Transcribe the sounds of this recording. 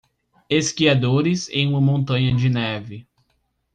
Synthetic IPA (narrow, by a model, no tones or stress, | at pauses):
eskiad̪oɾɪzḛ̃j̃ũmɐmõnt̪ɐ̃ɲɐd͡ʒɪnɛvɪ